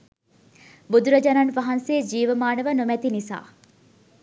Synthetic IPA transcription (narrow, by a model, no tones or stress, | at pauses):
bud̪uɾɐd͡ʒɐnanʋɐɦɐnseːd͡ʒiːʋəmaːnəʋənumɛt̪inisa̰ː